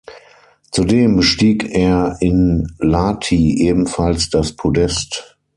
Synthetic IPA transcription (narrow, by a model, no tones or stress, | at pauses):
t͡sudeːmbəʃtiːkeːɐɪnlaːtʰiːʔeːbm̩falsd̥aspʰodɛst